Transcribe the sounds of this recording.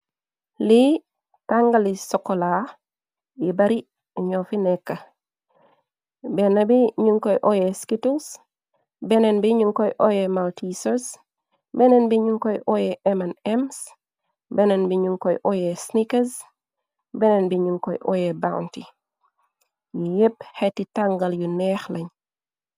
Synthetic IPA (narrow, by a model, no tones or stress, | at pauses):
li | taŋɡalisokola | jibaɾi | iɲofinɛkːa | benabiɲuŋkojʔojeskitus | bɛnenbiɲuŋkojʔojemaltʰisos | bɛnenbiɲuŋkɔjʔɔjɛʔɛmanɛms | bɛnenbiɲuŋkɔjʔɔjesnikɐs | bɛnenbiɲuŋkɔjʔɔ̰jeba̰w̰nti | jijephetitaŋɡɐljunɛxlɐɲ